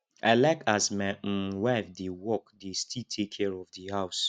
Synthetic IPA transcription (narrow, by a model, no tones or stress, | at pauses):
alakasmɛ̃wavdewɔkdestʰitʰekʰːɛɹɔvdihaʊs